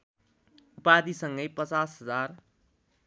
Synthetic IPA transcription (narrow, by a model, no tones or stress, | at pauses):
ʊpaːd̪isə̃ŋɡəipət͡saːsɦəzaːɾ